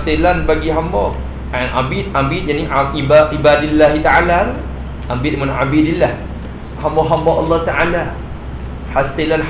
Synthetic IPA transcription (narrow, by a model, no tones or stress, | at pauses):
silanbaɡiɦambɔʔ | anʔa̰bit̪̚ambit̪̚janiaiaibadilːaɦit̪aʕalala | ʔambit̪̚mãnʕabidilːah | hambɔɦambɔʔɑlːɔht̪aʔala | hasilan